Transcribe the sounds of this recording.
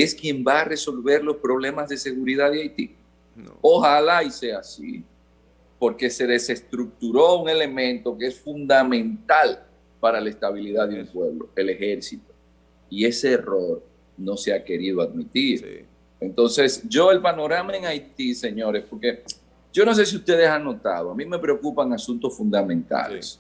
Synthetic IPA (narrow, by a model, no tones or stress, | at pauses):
e̞skje̞mbaːre̞so̞lβe̞ɾlo̞spɾo̞β̞le̞mazðese̞ɣuɾiðaðeajt̪i | o̞halaise̞asḭ | po̞ɾke̞se̞ðe̞se̞st̪ɾuk̚t̪uɾo̞uŋe̞le̞mẽ̞nt̪o̞keesfund̪amẽnt̪al | paɾalaest̪aβiliðaðeumpwe̞βlo̞̰e̞le̞xe̞ɾsit̪o̥ | ie̞se̞ːro̞ɾ | no̞seake̞ɾiðoaðmit̪iɾ | e̞nt̪o̞nse̞sʝo̞e̞lpano̞ɾamaeŋajt̪ise̞ɲo̞ɾe̞spo̞ɾke̞ | ɟ͡ʝo̞no̞s̬e̞s̬iust̪e̞ð̞esaŋno̞t̪a̰ðoamĩme̞pɾe̞o̞kupaŋasunt̪o̞sfund̪amẽnt̪a̰les